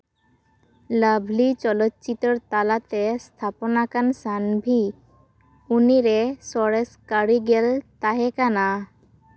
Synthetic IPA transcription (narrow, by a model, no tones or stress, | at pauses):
ləbʱlit͡ʃɔlɔt̪̚t͡ʃit̪ɔɾt̪alat̪ɛst̪ʰapɔnakansanbʱi | uniɾesɔɽeskaɽiɡɛlt̪aɦɛkana